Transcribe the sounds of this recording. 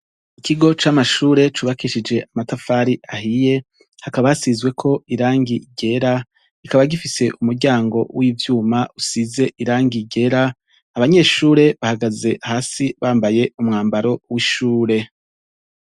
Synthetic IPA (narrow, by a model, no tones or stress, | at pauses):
ikʰiɡo̞t͡ʃamaʃuːɾe̞t͡ʃuːβakiʃid͡ʒe̞ʔamatafaːɾiʔahije̞ | hakaβahasizɡwe̞kʰo̞iɾaːŋɡiɟe̞ɾa | ikaβaɡifise̞ʔumuɾɟaːŋɡo̞̰wiːvjuːmaʔusize̞ʔiɾaːŋɡiɟe̞ɾaː | βaɲe̞ːʃuːɾe̞βahaɡaze̞ʔahaːsiβaːmbaje̞umŋaːmbaɾo̞wiʃuːɾe̞